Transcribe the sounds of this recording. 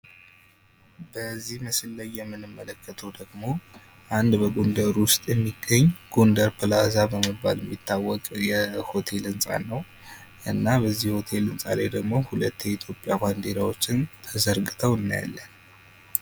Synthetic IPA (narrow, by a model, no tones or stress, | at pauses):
bəzːihməslːajːɛmːɨnɨmːələkʰːət̪ʰəwd̪əɡmo̞ | ʔand̪bəɡond̪əɾwʊst̪ʼjɛmːiɡːəɲːɡ̥ond̪əɾpʰɨlazabəmɨbːa̰ljɛmːit̪ːawːɔkʼjɛho̞t̪ʰe̞lɨnsʼa̰nːəw | ʔɨnːabəzːihho̞t̪ʰe̞lɨnsʼa̰la̰jd̪əɡmo̞hulət̪ːjɛit̪ʰjo̞pʼːjaband̪eɾawo̞t͡ʃːɪnt̪ʰəzəɾɡʼɨt̪ʰəwɨnːaja̰lːən